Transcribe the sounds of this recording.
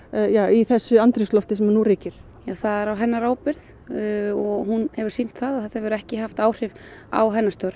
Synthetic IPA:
jaːwiθɛsːʏant̪ɾɪslɔft̪ɪs̬ɛmnuɾiːcɪɾ̥ | jaθaðɛɾawɦɛnːaɾaːwpɪɾð | ɔɣhunhɛvʏɾ̥sin̥t̪θaðaθɛ̥t̪ahɛvɛɾɛhcɪɦaft̪aːwr̥ɪva̰wɦɛnːast̪œɾ

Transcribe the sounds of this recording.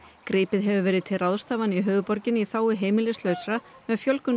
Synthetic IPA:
kɾiːpɪðɦɛvʏvɛːɾɪðt̪ʰɪraðst̪aːvaniɦœːðʏpɔɾcɪniθaːwɪɦeːjmɪlɪst̪lœːɥsɾamɛðfjœlkʏn

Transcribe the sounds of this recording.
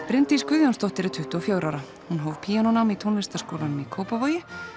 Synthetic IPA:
pɾɪnt̪iskʏðjanst̪ɔht̪ɪɾɪt̪ʰʏht̪ʏɔfjoːwɾawɾa | hunɦoːwv̥pʰiːanɔnamit̪ʰownvɪst̪askoːwlanʏmikʰoːwpavoːjɪ

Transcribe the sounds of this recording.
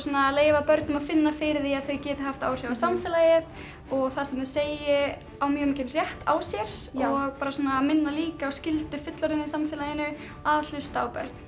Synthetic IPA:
sɔnaleːjvapœɾt̪nʏmafɪnːafɪɾɪðiaðθœɥcɛːt̪ɪɦaft̪a̰ːwr̥jawvasamfɪlajɪð | ɔɣθasɛmɛðseːjɪ | awmjœːɣʏmicɪnrjɛht̪a̰ːwsjɛɾ̥ɔɣpaːɾasɔːnamɪnːaliːkaɔscɪlt̪ʏfɪt̪lɔɾɪnisamfɪlajɪnʏ | aðl̥ʏst̪aːwpœ̰ɾt̪n̥

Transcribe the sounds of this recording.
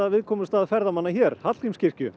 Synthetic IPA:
avɪðkʰɔːmʏst̪aːðfɛɾðamanːaçɛːɾ̥hat̪ijmscɪr̥cʏ

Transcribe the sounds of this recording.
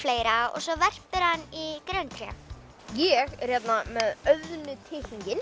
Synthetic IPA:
fleːjɾaɔ̰ɣsɔvɛr̥pɪɾanːikɾœwnt̪ʰɾjɛ̰ | jɛɣɛr̥jɛt̪namɛðœðnʏt̪ʰɪhiɲcɪn

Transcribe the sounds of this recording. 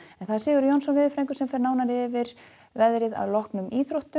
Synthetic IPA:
ɛnθaðsɪːɣʏɾjownsɔnvɪːðɪfɾɛjŋkʏsɛmfɛɾnaːwnaɾɪvɪɾ̥ | vɛðɾɪða̰ðlɔhknʏmiːθɾowht̪ʏ

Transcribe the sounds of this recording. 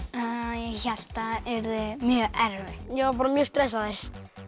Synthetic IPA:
jɛçal̥t̪aɛɾðɪmjœːɛɾvɪjopɔɾmjust̪ɾɛsaðɛs

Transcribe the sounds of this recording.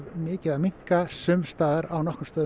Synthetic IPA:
vmɪːcɪðamiŋ̥kasʏmst̪aːðaɾawnɔhkʏmst̪œːð

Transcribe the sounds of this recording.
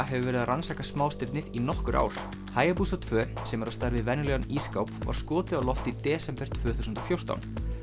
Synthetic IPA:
ɦɛvʏvɛːɾɪðaransaːkasmaːwst̪ɪɾt̪nɪðinɔhkʏɾʔa̰ːwɾ̥ | haːjapuːsat̪ʰvœːsɛmɛɾawst̪aɾvɪðvɛnljɔniskawpva̰ɾ̥skɔːt̪ɪɔlɔft̪it̪ɛːsɛmpɛr̥t̪ʰvœːθusnt̪ɔfjowr̥t̪a̰wn

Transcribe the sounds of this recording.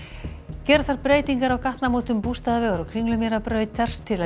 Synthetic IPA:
cɛːɾθaɾpɾeːjt̪iŋkaɾawkaht̪namoːt̪ʏmpust̪aðavɛːɣaɾawkʰɾiŋklʏmjɛɾapɾœːɥt̪aɾ̥t̪ʰɪla

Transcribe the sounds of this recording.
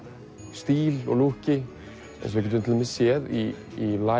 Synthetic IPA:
st̪iːlɔ̰ɣluhcɪ | ɛ̰ns̬vɛhcːɪt̪ʏnt̪ʰɪlɛmɛsjɛðiː | la

